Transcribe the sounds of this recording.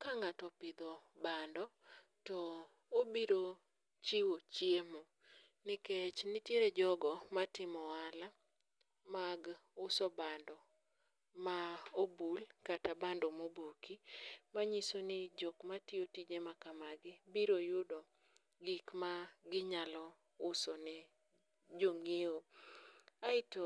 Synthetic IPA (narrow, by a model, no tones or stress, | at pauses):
kaŋatɔpɪd̪ɔbandɔ | tɔ | obiɾo | t͡ʃiwot͡ʃjemo | nɪket͡ʃnɪtjeɾed͡ʒɔɡɔmatɪmɔala | maɡʊsɔbandɔ | maobulkatabandɔmobokimaɲisonɪd͡ʒokmatɪotid͡ʒemakamaɡɪbiɾojʊdɔ | ɡikmaɡɪɲalɔ | ʊsɔnɛ | d͡ʒoŋeo | aɪto